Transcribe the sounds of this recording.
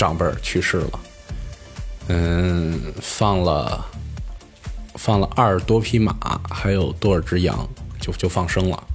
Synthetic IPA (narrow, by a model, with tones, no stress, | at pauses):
ʈ͡ʂɑ˨˩ŋpə̰˞˨˩˥t͡ɕʰy˥˧ʂɻ̩˥˩lə̰˩ | n̩˥˩ | fɑ˥˩ŋlə̰˩ | fɑ˥˩ŋlə˩ʔa˥˩ʂt̪wɔ˥pʰi˥ma̰˨˩˦xa˧˥ɪjo˨˩ʊt̪wɔ˥˩ə˞˨˩ʈ͡ʂɻ̩˥jɑ̰˧˥ŋt͡ɕjo˥˧ʊt͡ɕjo˥˧ʊfɑ˥˩ŋʂɤ˥ŋlə̰˨